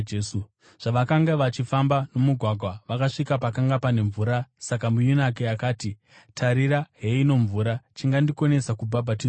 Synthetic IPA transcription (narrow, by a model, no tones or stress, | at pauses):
su | ʐ̥aʋakaŋɡaʋat͡ʃifambano̞muɡʱwaɡʱwaʋakaʂikapakaŋɡapane̞ɱvuːɾasak̬amujunak̬eakaːti | tʰaɾiɾaɦe̞ino̞ɱvuːɾat͡ʃiŋɡandiko̞ne̞sakubʱabʱat̬iː